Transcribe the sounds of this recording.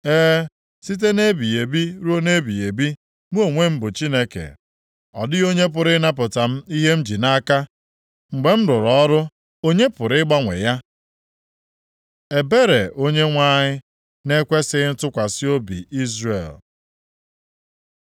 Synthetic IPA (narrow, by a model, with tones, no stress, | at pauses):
eː˦ | si˦t̬e˦ne˦bi˨je˨bi˦ɾo˦ne˦bi˨je˨bi˦ | mu˦o˦˨ŋʷe˦m̩˦bʊ˨t͡ʃi˦ne˦kḛ˨ | ɔ̰˨dɪ˦o˦ɲe˦p̬ʊ˨ɾɪ˦na˦p̬ʊ˨ta˨m̩˦i˦ɦe˦m̩˦d͡ʒi˨na˦ka˦ | ŋ͡m̩˨ɡ͡be˨m̩˦ɾʊ˨ɾɔ˦ɾʊ˦ | o˦ɲe˦pʊ˨ɾɪ˦ɡ͡ba˦ŋʷḛ˨ja˦ | e˨be˦ɾe˨ʔo˦ɲe˦ŋʷa˦ɲɪ˦ | ne˦kʷe˦sɪ˦n̩˦tʊ˦kʷa˨sɪ˦o˦bḭ˨ʔi˦zɾḛ˨l